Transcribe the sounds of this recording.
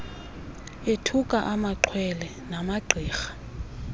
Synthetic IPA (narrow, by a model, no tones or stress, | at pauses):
etʰukʼaʔamaǃʰwɛlɛ | namaɡ͡ǀʱiːxḁ